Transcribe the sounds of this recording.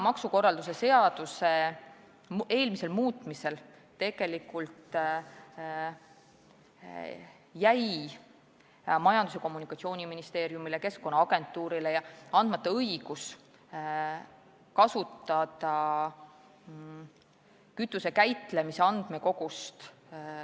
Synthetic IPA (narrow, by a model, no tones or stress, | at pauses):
mɑksuko̞rːɑld̪us̬e̞se̞ɑd̪̥use̞ | e̞ːlmise̞lmuːt̪ˑmise̞l | t̪e̞ɡ̥e̞likult̪ | jæj | mɑjɑnd̪̥use̞ko̞mːunikɑt̪sio̞ːnʲiminist̪e̞ːɾjumileke̞skko̞nːɑɑɡ̥e̞nt̪ːˑuːɾile̞jɑɑnd̥̪mɑt̪ːˑɑɤjɡ̥us | kɑsut̪ːˑɑd̪ɑ | kyt̪ːˑuse̞kæjt̪ˑle̞mise̞ɑnd̪̥me̞ko̞ɡ̥ust̪